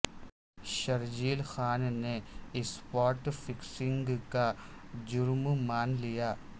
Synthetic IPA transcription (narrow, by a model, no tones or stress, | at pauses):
ʃɐɾd͡ʒiːlxaːnneɪspɔːɾʈfʰɪksɪ̃ŋɡka | d͡ʒʊɾmmaːnlijaː